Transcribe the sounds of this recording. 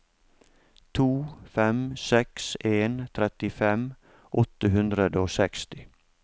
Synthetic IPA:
t̪ʰuːfɛmsɛkseːnt̪ʰɾɛt̪ɪfɛm | ʔɔt̪əɦʉnd̪ɾəd̪əoːsɛkst̪ɪ

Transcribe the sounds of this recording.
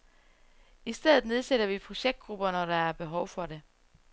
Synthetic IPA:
isd̥eð̰ˠð̩ˠne̝ð̞ˠseɾ̥ɐʋipʰʁo̝ɕeɡ̥̚d̥̚ɡ̥ʁub̥ɐnɒɾ̥ɑ̈æɐb̥e̝ɦɒʊfɒ̽d̥e̝

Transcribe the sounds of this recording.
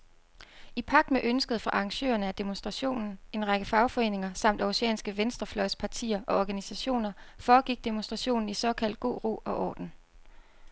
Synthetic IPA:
ipʰɑ̈ɡ̥̚d̥meʔønsɡ̥əð̞̩ˠfɑ̈ʔɑ̈ŋɕø̰ːɐnəæd̥e̝monsd̥ʁɑ̈ɕo̝̰ːnn̩e̝nʁɑ̈ɡ̥əfɑ̈ʊfɒ̽e̝̰ːne̝ŋɐsɑ̈m̰d̥æʊseɛ̰ːnsɡ̥əʋensd̥ʁɐflɒ̽ɪspʰɑ̈t͡sʰḭːɐʔɒ̽ɒɡ̥ænisæɕo̝̰ːnɐfɒːɡ̥iɡ̥̚d̥e̝monsd̥ʁɑ̈ɕo̝̰ːnn̩isɒ̽kʰæl̰d̥̚ɡ̥̝̰ːʁo̝̰ːɒ̽ʔɒ̰ːd̥n̩

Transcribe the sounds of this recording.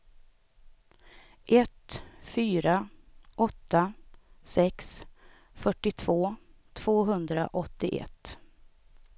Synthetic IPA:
ʔɛt̪fyːɾaʔɔt̪ːasɛks | fœʈːɪt̪ʰv̥oː | t̪ʰv̥oːɦɵnd̪ɾa̰ʔɔt̪ːɪʔɛ̰t̪ː

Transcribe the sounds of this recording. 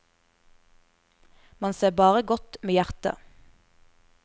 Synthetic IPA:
mɑnseːbɑːʁəɡɔt̪meːjæʁt̪ə̰

